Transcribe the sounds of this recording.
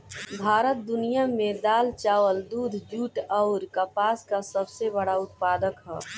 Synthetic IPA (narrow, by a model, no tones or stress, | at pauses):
bʱaːɾət̪̚d̪ʊnijamẽd̪aːlt͡ʃaːwəld̪uːd̪ʱd͡ʒuːʈɔʊɾkapaːskasəbsebəɽaʊt̪̚paːd̪əkɦɛː